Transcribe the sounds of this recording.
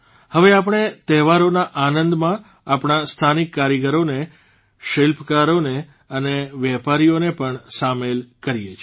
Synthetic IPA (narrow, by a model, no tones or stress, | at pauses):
həʋeapɳ̃et̪ɛɦʋaɾonaʔanənd̪mã | apɳast̪ʰanikːaɾjəɡəɾone | ʃelpʰkaɾone | əneʋɛpaɾijonepəɳsamelkəɾijet͡ʃʰ